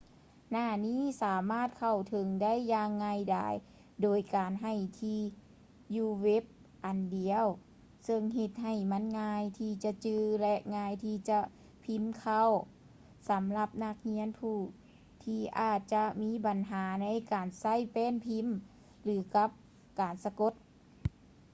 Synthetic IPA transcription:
naː˧˩niː˥˨saː˨˦maː˧˥˨t̪̚kʰa˧˩wt̪ʰɤ˨˦ŋda˥˩˨jːaː˧ŋːaː˧jda̰ː˧˩j | doː˨jkaː˨˩nɦa˧˩jt̪ʰiː˧ | juː˧we˦˥p̚ | ʔa˨˩ndi˨əw | sɤ˧ŋɦe˧t̪̚ɦa˧˩jma˧˥˨nŋaː˧jt̪ʰiː˧˩t͡ɕa˧t͡ɕɯː˧lɛ˧ʔŋaː˧jt̪ʰiː˧t͡ɕa˧ | pʰi˧˥mkʰa˧˥˨w | sa˨˦mla˧p̚na˧˥k̚hi˧˥ənpʰuː˧˩ | t̪ʰiː˧ʔaː˧˩t̪̚t͡ɕa˧miː˧˥ba˨˩nɦaː˩˦na˧˥jkaː˨˩nsa˧˥˩jpɛː˧˥˨npʰi˧˥˨m | lɯː˨˦ka˧˦˥p̚ | kaː˨˩nsa˧ko˧˥t̪̚

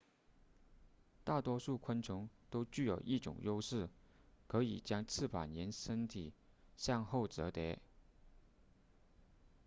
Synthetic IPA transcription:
t̪a˥˩t̪wɔ˥ʂu˥˩kʰwə˥nt͡sʰʊ˧˥ŋt̪o˥ʊt͡ɕy˥˩jo˨˩ʊʔi˥˩ʈ͡ʂʊ̰˨˩ŋjo˥ʊʂɻ̩˥˩kʰɤ˧˥ḭ˨˩t͡ɕjɑ˥ŋt͡sʰɹ̩˥˩pʰa̰˨˩njɛ˧˥nʂə˥nt̪ʰi˨˩ | ɕjɑ˥˧ŋxo˥˩ʊt͡sɤ˧˥t̪jɛ̰˧˥

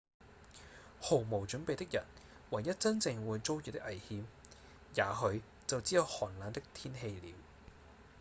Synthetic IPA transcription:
ho˨˩wmo˨˩wt͡ʃɵ˨˥npe˨jt̪ɪ˥k̚jɐ˨˩n | wɐ˨˩jːɐ˥t̚t͡sɐ˥nt͡sɪ˨˧ŋwuː˨˧jt͡so˥wjyː˨t̪ɪ˥kʔɐ˨˩jhiː˨m | jaː˨˧ɦɵ˨˧ɥ | t͡sɐ˨wt͡siː˨˥jɐ˧whɔː˨˩nlaː˨˥nt̪ɪ˥k̚t̪ʰiː˥nɦe˧jliː˨˧w

